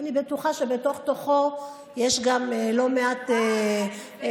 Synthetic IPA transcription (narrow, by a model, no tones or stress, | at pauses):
anibetuχaʃebeto̞χt̪oχo | jeʃɡamelo̞meat̪e